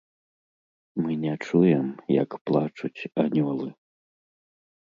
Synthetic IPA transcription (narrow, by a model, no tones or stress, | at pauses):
mɨnʲɛt͡ʂujɛmjɐ̰kplˠat͡ʂut͡sʲanʲɔlˠɨ